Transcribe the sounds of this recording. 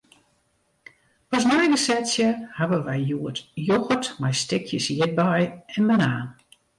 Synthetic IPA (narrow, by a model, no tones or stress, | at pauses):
pɔs̬mɛjɡəsɛtsjəhaʋəʋɛjjuətjoɣətmɛjstɪkʰjəsjɪt̚bɛjɛnmənaːn